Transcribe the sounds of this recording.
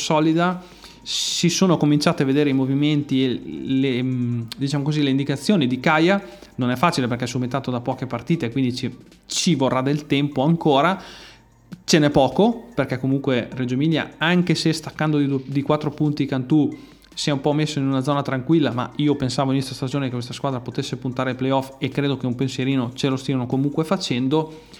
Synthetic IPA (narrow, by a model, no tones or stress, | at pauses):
sɔːlid̪a | sisoːnokomint͡ʃaːt̪eaved̪eːɾeimoviment̪ieled̪it͡ʃaːmokozileind̪ikat̪sːjoːnid̪ikaja | nonɛfːaːt͡ʃileperkɛɛsument̪aːt̪od̪apɔːkepart̪iːt̪ekːwind̪it͡ʃi | t͡ʃivorːad̪elt̪ɛmpoaŋkoːɾa | t͡ʃenɛpɔːkoperkɛkːomuŋkwered͡ʒoemilja̰aŋkesest̪akːand̪od̪ikwat̪ːɾopunt̪ikant̪u | siɛumpɔmesːoinunad̪zɔːnat̪ɾaŋkwilːama̰iːopensaːvoinest̪ast̪ad͡ʒoːnekekwest̪askwaːd̪ɾapot̪esːepunt̪aːɾelplejɔfekːɾeːd̪okeumpensjeɾiːnot͡ʃelost̪iːanokomuŋkwefat͡ʃɛnd̪o